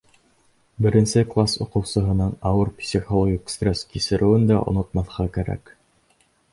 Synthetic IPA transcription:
bɘ̆ɾɘ̆nsɘklˠasŏqɤ̆wsɤ̆ɦɤ̆nɤɴɑwɤɾpsʲiχolˠoɡʲikst̪rʲeskisɘ̆ɾʔɘ̆wɘnd̪æʔŏ̰nŏt̪̚mɑθqɑkæɾæ̰k

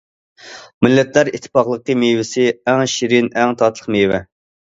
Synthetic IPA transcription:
mɪlːɛt̪læɾit̪ʰːɪ̥pɑqlˠəqːəmejwɪsɪɛŋʃiɾɪnɛŋt̪ʰɑt̪ʰlˠəχmewɛ

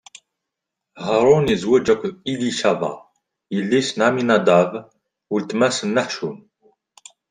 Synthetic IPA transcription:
həɾˤunizwæd͡ʒækʷːiliʃævɑ̰ | jəlːisnʕaminæd̪ˤav | wəlt̪mæsənːaħʃun

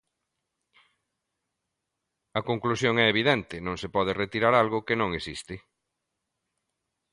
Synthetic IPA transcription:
ɐkoŋklusjoŋɛeβiðɛnt̪ɪnõŋsepɔð̞ɪret̪iɾaɾalɣʊkɪnõŋesist̪ɪ

